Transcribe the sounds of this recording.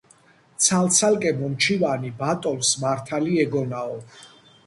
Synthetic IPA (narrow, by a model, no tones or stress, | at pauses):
t̪sʰalt̪sʰalkʼɛmɔmt͡ʃʰivanibat̪ʼɔnsmaɾt̪ʰaliɛɡɔnaɔ